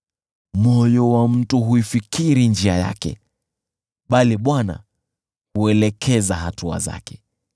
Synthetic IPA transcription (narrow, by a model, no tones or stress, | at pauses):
mɔjɔwam̩tuɦuifikiɾind͡ʒiaja̰kɛ̰ | ɓaliɓwana̰ | huɛlɛkʰɛzaɦatua̰za̰kɛ̥